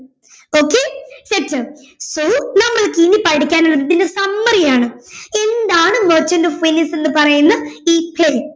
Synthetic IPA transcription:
oːkːesetːɨ | soːnɐmːɐɭkinipɐɽikʲːaːnuɭːɐððindesɐmːɐrijaːɳɨe̞nd̪aːɳɨmort͡ɕːɐndɐfinɐse̞nːɨpɐrɐjunːɐiːpleː

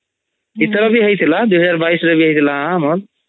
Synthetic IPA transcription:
it̪ɾəbʱiɦəjt̪ʰilad̪uɦəd͡ʒaɾbaisɾəbʱiɦəjt̪ʰilããmol

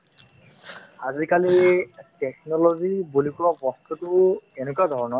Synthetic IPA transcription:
aziɹkalitɛk̚nɔlozibulikuɹɔbɔstʰutʊenɛkuadʱɔɹɔnɔ

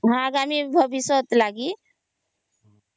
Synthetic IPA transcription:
ɦãɡamibʱəbisət̪laɡi

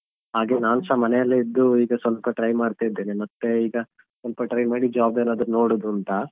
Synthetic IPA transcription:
ɦaːɡe̞ːnaːnsaːmɐnejɐlːeid̪ːuiːɡɐsɐnpɐʈɾɐjmaːɽt̪ajid̪ːeːnemɐt̪ːe̞iːɡɐ | sɐnpɐʈɾɐjmaːɽid͡ʒaːbenaːd̪ɾno̞ːɽod̪uɐnt̪ɐ

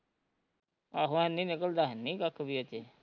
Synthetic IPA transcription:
aɦãnːĩːnɪkəld̪aːɦnːĩːkəkʰbiːot͡ʃe

